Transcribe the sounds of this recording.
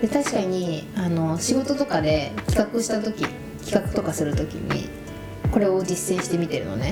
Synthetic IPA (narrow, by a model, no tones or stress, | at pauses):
d̪et̪aɕi̥kaɲ̟iano̞ɕiɡo̞t̪o̞t̪o̞kad̪e̞kʲi̥kakɯ̟ɕi̥t̪at̪o̞kʲi | kʲi̥kakɯ̟t̪o̞kasɨɾɯ̟t̪o̞kʲḭɲ̟ḭ | ko̞ɾe̞o̞d͡ʑisːẽɕi̥t̪e̞mʲit̪e̞ɾɯ̟no̞̰ne